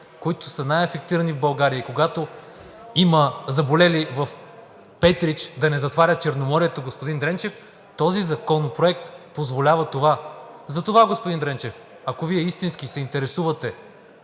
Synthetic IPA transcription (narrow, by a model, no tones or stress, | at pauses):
koit̪o̥sənajɛfɛk̚t̪iɾɐnivbɐlˠɡaɾijəikoɡat̪o | imɐzɐbolɛlivɐf | pɛt̪ɾit͡ʃd̪ɐnɛzɐt̪vaɾʲət̪̚t͡ʃɛɾnomɔɾiɛt̪oɡospod̪ind̪ɾɛnt͡ʃɛf | t̪ɔzizɐkɔnopɾoɛkt̪pozvolʲavɐt̪ovazɐt̪ovaɡospʊd̪ind̪ɾɛnt͡ʃɛf | ɐkoviɛist̪inskisɛint̪ɛɾɛsuvɐt̪ɛ